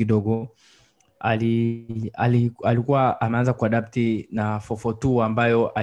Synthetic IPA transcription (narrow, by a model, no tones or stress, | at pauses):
iɗɔɡɔ | alialialikuwaːmɛanzakuaɗap̚tinafɔfɔtuambajɔʔa